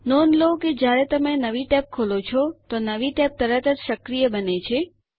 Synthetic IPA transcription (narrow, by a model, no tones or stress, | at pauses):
nɔnloked͡ʒjaɾet̪əmenəʋiʈɛp̚kʰolot͡ʃʰɔt̪onəʋiʈɛp̚t̪əɾət̪ət̪ʃəkɾijəbənet͡ʃʰe